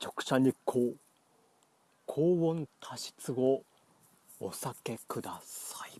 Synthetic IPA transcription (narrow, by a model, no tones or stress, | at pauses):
t͡ɕo̞kɯ̥ɕaɲikʰoː | kʰoːβõnt̪ʰaɕi̥t͡sɨɡo̞ː | sake̞kɯ̟d̪asai